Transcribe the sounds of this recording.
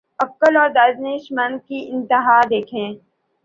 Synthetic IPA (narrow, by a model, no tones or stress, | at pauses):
ɐkːəlɔːɾd̪aːzneːʃmən̚kiʔɪ̃nt̪ɪɦaːd̪eːkʰẽː